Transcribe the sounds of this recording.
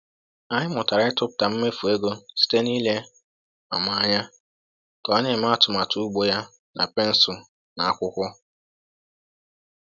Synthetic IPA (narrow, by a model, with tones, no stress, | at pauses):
a˦ɲɪ˦mʊ˨ta˨ɾa˦ɪ˦tʊ˦pʊ˨ta˨m̩˦me˦fu˨e˦ɡo˦si̥˦te˦ni˦le˦ | ma̰˨ma˦a˦ɲa˦ | tɔ˨a˦ɲe˦˨m˦a˦˨tʊ˨ma˨tʰu˦u˦ɡ͡bo˦ja˦ | na̰˨pe˦n̩˨sʊ˨ | na˨a˦kʷʊ˦kʷʊ˦